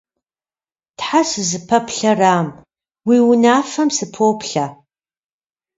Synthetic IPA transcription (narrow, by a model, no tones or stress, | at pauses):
tħasɨzɨpʰɐpʰɬɐraːm | wiːwʊnaːfɐmsɨpʰoːpʰɬa